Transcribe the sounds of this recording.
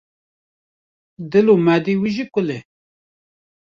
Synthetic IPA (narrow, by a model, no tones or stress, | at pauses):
d̪ɪlomæd̪iwiʒikʷʊle